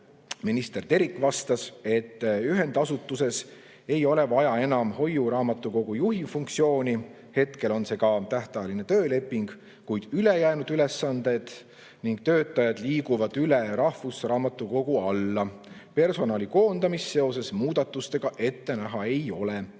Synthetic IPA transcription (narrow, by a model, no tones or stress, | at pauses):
minist̪e̞rt̪e̞ɾikˑvɑst̪ɑse̞t̪ːyɦe̞nd̪ɑsut̪ːˑuse̞s | e̞jo̞le̞vɑjɑe̞nɑmho̞juɾɑːmɑt̪ːˑuko̞ɡ̥ujuɦifuŋkt̪sio̞ːnʲi | he̞t̪ke̞lo̞nse̞ɡ̥ɑt̪æht̪ɑjline̞t̪ø̞ːle̞pːˑiŋɡ̥ | kujd̪̥yle̞jæːnud̪̥yle̞sːɑnd̪̥e̞d̪̥ | niŋɡ̥̚t̪ø̞ːt̪ːˑɑjɑd̪liːɡuvɑd̪̥yle̞ɾɑhvusrɑːmɑt̪ːˑuko̞ɡ̥uɑlːɑpe̞rso̞nɑːliko̞ːnd̪̥ɑmisːe̞o̞se̞smuːd̪̥ɑt̪ːˑust̪e̞ɡ̥ɑʔe̞t̪ːe̞næɦɑe̞jo̞le